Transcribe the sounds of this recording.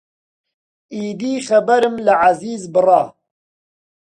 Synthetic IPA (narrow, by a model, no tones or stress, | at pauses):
iːd̪iːxɐbɛɾɨmlɨʕaziːzbɨrˤɑː